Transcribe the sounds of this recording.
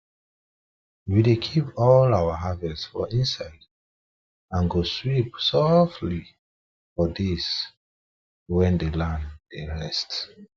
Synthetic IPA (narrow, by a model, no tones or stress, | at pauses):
widekʰipɔlawəɦavɛssfɔ̰ĩnsaɪd | ãnɡoswipsɔftʰli | fɔðis | wɛ̃ndelãnd̥eɹɛst